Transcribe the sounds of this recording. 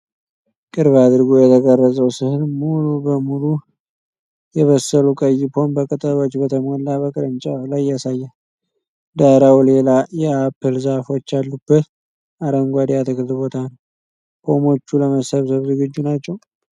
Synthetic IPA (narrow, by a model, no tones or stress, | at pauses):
kʼɨɾβad̪ɨɾɡojɛt̪ʰəɡərːəzʼəwsɨhɨnmulubəmulu | jɛβəsəlukʼəjːɪpʰo̞nbəkʼɨt̪ʼəlo̞t͡ʃːbət̪ʰəmolːaβəkʼɨɾɨnt͡ʃʼalajːasajːa | d̪aɾawlelajɛapʰːɨlzahfo̞t͡ʃːalːubːət̪ | aɾəŋɡʷad̪jat̪ʰɨkɨlbo̞t̪ʰanəw | pʰo̞mo̞t͡ʃːuləməsəβsəβzɨɡɨd͡ʒːunat͡ʃːɛw